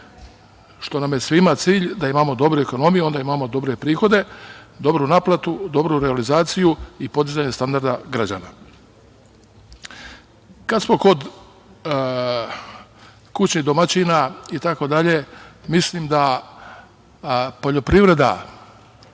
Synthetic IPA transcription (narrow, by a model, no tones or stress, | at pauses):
ʃt̪o̞namje̞sʋimat̪siːʎd̪aimamo̞d̪o̞bɾueko̞no̞mijuo̞nd̪aimamo̞d̪o̞bɾe̞pɾiːxo̞d̪e̞d̪o̞bɾunaplˠat̪ud̪o̞bɾuɾealizaːt̪sijuipo̞d̪izaɲe̞st̪and̪aɾd̪aɡɾad͡ʑa̰ːna̰ | kad̪smo̞ko̞d̪ | kut͡ɕnid̪o̞mat͡ɕinait̪ako̞d̪aʎe̞mislimd̪a | po̞ʎo̞pɾiʋɾe̞d̪a̰